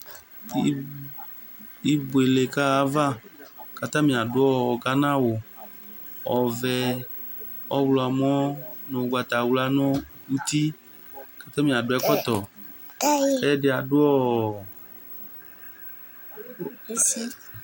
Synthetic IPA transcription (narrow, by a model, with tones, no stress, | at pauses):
i˦bu˨e˨le˨ka˦a˨˦va˦ka˨t̪ã˦mĩ˨a˨dʊ˦ɔ˦˨ɡa˦nã˦wo˨ | ɔ˨vɛ˨ | ɔ˦wlɔ˨a˨mɔ̃˦nõ˨ɡ͡ba˨t̪a˨wu˦la˦nõ˦ | u˦t̪i˦ | ka˨t̪ã˦mĩ˨a˨ɖʊ˨˦ɛ˦kɔ˦t̪ɔ˨ | kɛ˦de˨a˨dʊ˦ɔ˦